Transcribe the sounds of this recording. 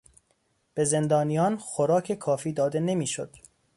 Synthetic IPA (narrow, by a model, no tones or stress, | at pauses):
b̥e̞zend̪ɒːnijɒːnxoɾɒːkʰe̞kʰɒːfiːd̪ɒːd̪ene̞miːʃod̪̥